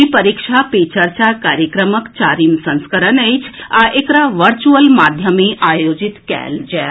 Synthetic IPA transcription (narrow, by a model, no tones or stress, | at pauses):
ipəɾikʃapet͡ʃəɾt͡ʃakaɾjəkɾəməkt͡ʃaɾimsə̃nskəɾənəjt͡ʃʰaʔekɾaʋəɾt͡ʃuəlmad̪ʱjəmeʔajod͡ʒit̪kɛ̰ld͡ʒɛ